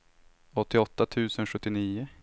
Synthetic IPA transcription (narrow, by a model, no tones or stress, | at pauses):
ɔt̪ːɪɔt̪ːat̪ʰʉ̟ːsənɧɵt̪ːɪniːʊ